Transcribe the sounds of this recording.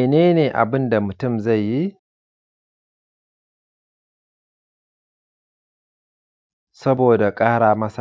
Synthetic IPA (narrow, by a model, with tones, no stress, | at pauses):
neː˦neː˨ʔa̰˨bɨ˦nd̪ɐ˨mɨ˨t̪ɨ˦mzɐ˦˨jːi˦ | sɐ˦boː˨dɐ˨kʼaː˦ɾaː˨mɐ˦sa˨